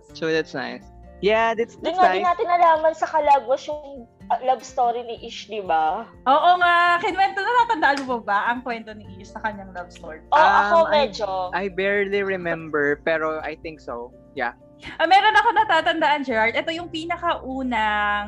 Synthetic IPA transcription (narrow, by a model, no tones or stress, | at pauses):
sod̪at̪sna̰js | jad̪at̪sd̪ŋnaaɪnaːt̪ɪnːɐlaːmɐŋsɐkɐlaɡwɐsjʊŋ | lɐbst̪oːɾinɪʔɪʃd̪ɪba | ʔoːʔoŋaʔkɛnwɛnt̪onɐt̪aːt̪ɐnd̪aʔanobɐbaʔɐŋkwɛnt̪o̞nɪʔisnɐkɐɲːaŋlɐbst̪oɹiʔoɐkomɛd͡ʒoʔajbɛɹliɹɛmɛ̃mbɛɹpɛɾoa̰jθɪ̃ŋkso̰ | ja̰ | ʔɐmɛːɾo̞nɐko̞nɐt̪aːt̪ɐnd̪ɐʔand͡ʒɛɹɐɹd̪ʔɛt̪o̞jʊŋpiːnɐkɐʔuːnɐŋ